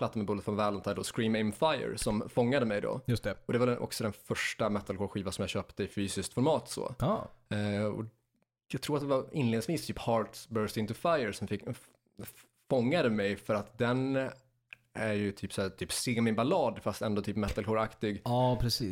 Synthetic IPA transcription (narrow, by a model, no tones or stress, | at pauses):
pʰlat̪ːamɛbʊlət̪fɔnvɛːlɔnt̪ʰad̪ɔskɾiːmɛmfajə̰ɾsɔmfɔŋːad̪əmɛjd̪ɔ̰jɵst̪ɛɔd̪ɛvaɖɛʔɔ̰ksɔd̪ɛnfœʂʈamɛt̪ːalkoːɾɧiːvansɔmjɑːɕøːpt̪əɪfyːsɪskt̪fɔɾmɑːt̪sɔ̰ːɑ | ɔ̰ | jɑːɡ̚t̪ʰɾuːɾat̪d̪ɛvaɪnleːd̪ɪsviːst̪ʰyːphɑːɾt̪sbœɾst̪ɪnt̪ɵfajəɾsɔmfɪkː | fɔŋːad̪əmɛjfœɾat̪d̪ɛn | æɾjɵt̪ʰyːpsæːt̪ʰyːpseːmɪbalɑːd̪fast̪ɛnd̪oːt̪ʰyːpmɛt̪ːalkoːɾakt̪ɪɡɑːpʰɾɛsiː